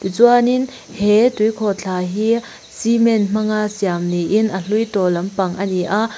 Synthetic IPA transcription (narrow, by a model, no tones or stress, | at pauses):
t̪ut͡swanin | hɛtujkʰɔt͡ɬʰaːɦiː | simɛnm̥ɐŋasiamniʔinʔɐɬujtɔlɐmpɐŋʔɐniʔaʔ